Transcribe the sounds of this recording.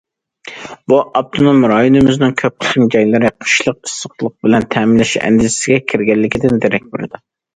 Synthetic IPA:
buʔɑb̚t̪ʰɨnomːɾɑjunɨmɪznɪŋkʲʰøp̚qʰə̥χɪmd͡ʒɑjlɪɾɪqʰʊ̥ʃlˠəqisːəqlˠəq̚bɪlɛnt̪ʰɛmɪnlːɪʃɛ̰nd̪ɪʃɪ̥sɪɡʲɛkʲʰiɾɡʲɛlːɪkʲid̪ɪnd̪eɾɛk̚ʲbɪɾɪd̪ɪ

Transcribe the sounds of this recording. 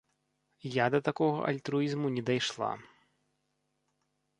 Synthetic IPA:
jad̪ɐt̪akɔɣɐ̰ʔɐ̰lʲt̪ɾuizmunʲɛd̪ajʂlˠa̰

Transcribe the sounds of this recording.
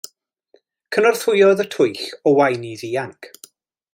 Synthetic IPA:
kʰənɔrθʊjɔðətʰʊɨɬɔwajniðiaŋkʰ

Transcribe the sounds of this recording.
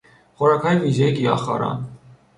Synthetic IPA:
χɔɾɑkʰɑjivizɛkiɑ̰χɑ̰ɾɑ̰n

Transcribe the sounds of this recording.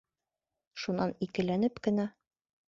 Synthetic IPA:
ʃunɑnikɘ̆lænɘpkɘ̆næ

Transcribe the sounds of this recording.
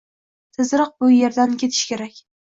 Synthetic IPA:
t̪ʰɪzɾɨq̚bʊje̞ɾd̪ankʲʰe̞t̪ʰɪ̥ʃkʲe̞ɾakʲ

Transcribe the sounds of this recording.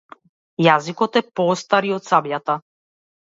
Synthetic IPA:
jazikɔt̪ɛpɔst̪aɾiɔt̪sabjat̪a

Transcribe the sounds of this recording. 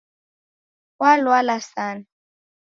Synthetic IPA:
walwalasana

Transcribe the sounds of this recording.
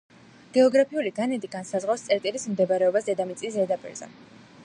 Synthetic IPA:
ɡ̥ɛɔɡɾapʰiuliɡanɛt̪ʼiɡansazʁafst̪sʼɛɾt̪ʼilismd̪ɛbaɾɛɔbasd̪ɛd̪amit̪sʼiszɛd̪apʼḭɾz̥ɛ̰

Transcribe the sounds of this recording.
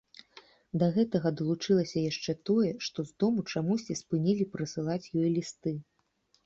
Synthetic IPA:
d̪ɐɣɛt̪ɐɣɐd̪ɐlˠut͡ʂɨlˠɐsʲɐjaʂt͡ʂɛt̪ɔjɛʂt̪ɔzd̪ɔmut͡ʂamusʲt͡sʲispɨnʲilʲipɾɨsɨlˠat͡sʲjɔjlʲist̪ɨ

